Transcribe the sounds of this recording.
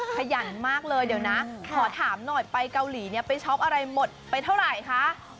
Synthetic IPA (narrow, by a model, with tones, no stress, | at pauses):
kʰa˧ja˩˦nmaː˥˩k̚lɤː˧jdi˨˩˦wna˦˥kʰɔː˨˩˦t̪ʰaː˩˦mnɔ˨˩jpa˧jka˧wliː˩˦ni˦˥˩ɐpa˧jt͡ɕʰɔ˦˥p̚ʔa˧ɾa˧jmo˨˩t̪̚pa˧jt̪ʰa˥˩wɾa˨˩jkʰa˦˥ʔ